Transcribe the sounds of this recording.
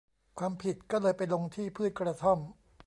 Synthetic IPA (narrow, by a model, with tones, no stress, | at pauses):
kʰwaː˧mpʰi˨˩t̪̚kɔː˥˩lɤː˧jpa˧jlo˧ŋt̪ʰiː˥˩pʰɯ˥˩ən̚kɾa˧t̪ʰo˥˩m